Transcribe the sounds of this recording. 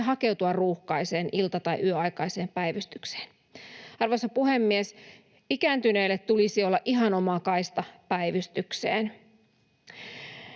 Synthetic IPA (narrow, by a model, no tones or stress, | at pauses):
ɦɑke̞wt̪uɑrruːhkɑise̞ːnʔilt̪ɑt̪ɑiʔyøɑikɑjse̞ːmpæiʋyst̪ykse̥ːn | ɑrʋosːɑpuhemːies | ikæːnt̪yne̞ːlːet̪t̪ulisiolːɑʔiɦɑnomɑkɑist̪ɑpæiʋyst̪yksḛːn